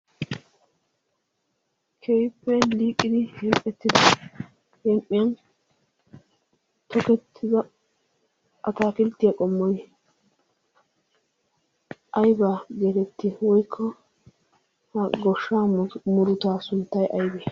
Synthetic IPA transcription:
kʰɛjpːɛliːkʼːɪd̪ɪhɛmʔʼɛt̪ːɪd̪ɐ | hɛmʔʼɪjɐn | t̪ɔkɛt̪ʰːɪzɐ | ʔɐt̪aːkɪlt̪ːɪjakʼɔmːɔj | ʔɐjbaɡeːɾɛt̪ːiwɔjkʰːɔ | hɐɡɔʃːaːmʊɾʊt̪aːsʊnt̪ːɐjʔɐjbeː

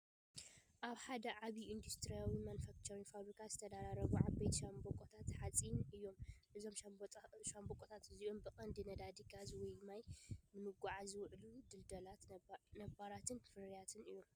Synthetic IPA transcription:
ʔaβħad̪ɐʕaβiʔind̪ust̪ʰɾijawimanfakt̪ʰoɾinfaβɾikʰazɨt̪ʰɐd̪aɾaɾɐβuʕaβɐjt̪ʃambokʼot̪ʰat̪ħat͡sʼinɨjːo̞mʔɨzo̞mʃʃambokʼot̪ʰat̪ɨziʔombɨkʼɐnd̪inɐd̪ad̪iɡazwɔjmajmɨnɨɡʷaʕazɨwʕlud̪ɨld̪ɐlat̪nɐbaɾat̪ʰɨnfɨɾijat̪ʰɨnɨjːo̞m

